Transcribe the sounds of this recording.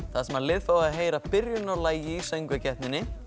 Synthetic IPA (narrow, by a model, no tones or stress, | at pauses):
θaðsɛmaɾlɪðfoːwɣaðɦeːjɾapɪɾjʏnalaːjɪisœjŋkvɛcɛht̪nɪnːɪ